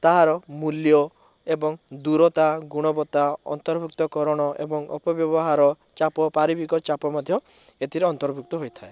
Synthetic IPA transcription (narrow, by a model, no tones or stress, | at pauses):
t̪aɦaɾɔmuljɔ | ebɔŋd̪uɾɔt̪aɡuɽ̃ɔbɔt̪aɔ̰nt̪ɔɾbʱukt̪ɔkɔɾɔɽ̃ɔʔḛbɔŋɔ̰pɔbjɔbɔɦaɾɔ | t͡ʃapɔpaɾibikɔt͡ʃapɔmɔd̪ʱjɔ | et̪ʰiɾeɔnt̪ɔɾbʱuk̚t̪ɔɦojt̪ʰae